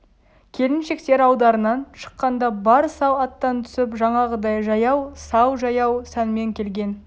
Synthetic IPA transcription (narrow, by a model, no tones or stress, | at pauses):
kʲʰe̞lɪnʃe̞kt̪e̞ɾɑwd̪ɑɾənɑnʃə̥qːɑnd̪ɑbɑɾsɑwɑt̪ːɑnt̪ʰʏ̥sɪpʒɑɴɑʁəd̪ɑjʒɑjɑwsɑwʒɑjɑwsænme̞ŋkʲʰe̞lɡʲe̞n